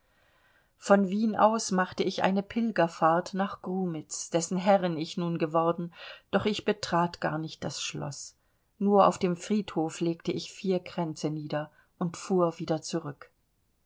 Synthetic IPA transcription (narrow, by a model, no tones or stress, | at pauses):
fɔnviːnʔa̰ʊsmaχtəɪçʔa̰ɪnəpʰɪlɡɐfaɐtnaːχɡ̥ʁuːmɪt͡sd̥ɛsn̩ɦɛʁənɪçnuːnɡəvɔʁdn̩d̥ɔχɪçb̥ətʁ̥aːtɡ̥a̰ːɐnɪçt̚d̥asʃlɔ̰s | nuːɐʔa̰ʊfd̥eːmfʁ̥iːthoːfleːktəɪçfiːɐɡʁ̥ɛnt͡səniːdɐ | ʔʊntfuːɐviːdɐt͡suʁʏk